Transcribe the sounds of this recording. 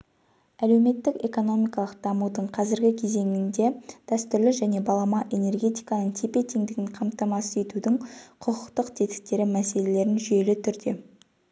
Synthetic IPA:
æle̞wme̞t̪ːɪke̞ko̞no̞mijkɑlˠəqd̪ɑmud̪əɴqʰɑzɪɾɡʲɪkʲʰe̞ze̞ŋɪnd̪e̞d̪̥æst̪ʏɾlɪʒæne̞bɑlˠɑmɑʔe̞ne̞rɡʲe̞t̪ijkɑnəɴt̪ʰe̞pe̞t̪ʰe̞ŋd̪ɪɡʲɪɴqʰɑmt̪ɑmɑszet̪ud̪ɪŋqʰʊqʰəqt̪əqt̪ʰe̞t̪ɪ̥k̚t̪e̞ɾɪmæse̞le̞le̞ɾɪnʒʏje̞lɪt̪ʰʏɾd̪e̞̰

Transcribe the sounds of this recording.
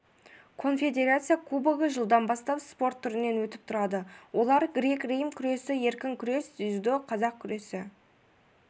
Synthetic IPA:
kʰo̞nfʲe̞d̪e̞ɾat̪sɨjakʰubəɡəʒəlˠd̪ɑnbɑst̪ɑpspo̞rt̪ʰːʏɾɪne̞nwɵt̪ɪp̚t̪ʰʊɾɑd̪əwʔo̞lˠɑɾɡɾe̞krejmkʲʰʏɾe̞sɪje̞ɾkʲɪŋkʲʰʏɾe̞sʏzd̪ɪqʰɑzɑq̚kʲʰʏɾe̞sɪ

